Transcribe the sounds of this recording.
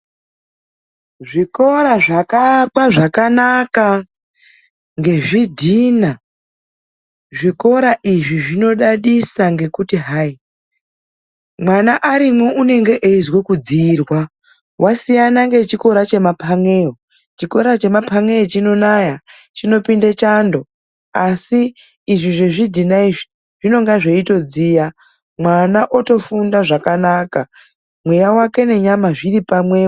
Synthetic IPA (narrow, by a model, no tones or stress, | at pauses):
ʐiko̞ɾaʐakakwaʐakanaka | ŋɡe̞ʐidʱina | ʐiko̞ɾaʔiʐiʐino̞ɗaɗisaŋɡe̞kutiɦai | mwanaʔaɾimwoʔune̞ŋɡe̞ʔeizwekud͡zirwa | wʔasijanaŋɡe̞t͡ʃiko̞ɾat͡ʃe̞mapʰaŋeo | t͡ʃiko̞ɾat͡ʃe̞mapʰaŋe̞ot͡ʃino̞naja | t͡ʃino̞pindet͡ʃando̞ | asiː | ʐiʐeʐidinaiʐi | ʐ̥ino̞ŋɡaʐeito̞d͡ziːja | mwanaʔo̞to̞fundaʐakanaka | mwejawake̞ne̞ɲamaʐiɾipamwe̞